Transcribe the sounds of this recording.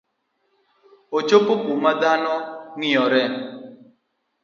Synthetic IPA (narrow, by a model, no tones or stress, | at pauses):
ot͡ʃopokumad̪anɔŋɪɔɾɛn